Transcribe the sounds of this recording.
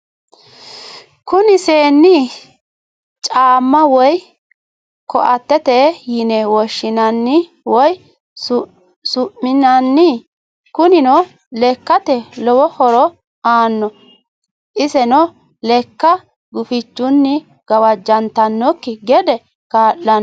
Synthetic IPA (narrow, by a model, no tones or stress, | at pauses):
kʊnɪseːnːɪ | t͡ʃʼaːmːɐwɔj | kɔ̰ʔɐt̪ːɛt̪ɛjɪnɛwɔʃːɪnɐnːɪ | wɔj | sʊʔɪnɐnːɪ | kʊnɪnɔ | lɛkːɐt̪ɛlɔwɔhɔɾɔ | aːnːɔ | ʔɪsɛnɔ | lɛkːɐ | ɡʊfɪt͡ʃːʊnːɪ | ɡ̥ɐwɐd͡ʒːɐnt̪ɐnːɔkːɪɡɛd̪ɛ | kaːʔːɐn